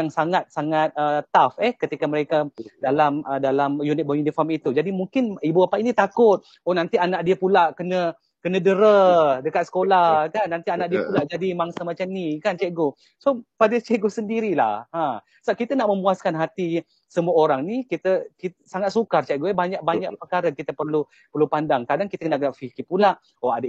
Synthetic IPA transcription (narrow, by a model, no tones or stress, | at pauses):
aŋsaŋat̪̚saŋat̪̚ət̪afɛhkət̪ikaməɾekadalamədalamjunɪt̪̚bɔjunifɔrmit̪ud͡ʒadimuŋkɪnibuapaʔinit̪akʊt̪̚ | ɔnant̪ianaʔ̚diəpulaʔkənə | kənə̃dəɾədəkat̪̚sə̥kolahkanːant̪ianaʔ̚diəppulaʔd͡ʒadimaŋsamat͡ʃamnikant͡ʃɛʔɡo | sopadət͡ʃɛɡosəndiɾila̰hã | səbakit̪ənaʔməmuaskanɦat̪i | səmuəoɾaŋnikit̪əkisaŋat̪̚sukart͡ʃɛʔɡoəbaɲaʔ̚baɲakpəkaɾəkit̪əpərlu | pərlupandaŋkadaŋkit̪əkənakəaʔfikipulaʔ | oadə